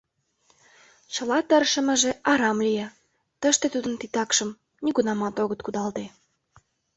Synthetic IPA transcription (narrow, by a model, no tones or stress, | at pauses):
t͡ɕə̆lɑt̪ərʃə̆mə̆ʒeʔɑɾɑmlijɑ | t̪əʃt̪et̪ud̪ənt̪it̪ɑkʃə̆m | nʲiɣunɑmɑt̪oɣət̪̚kud̪ɑlt̪e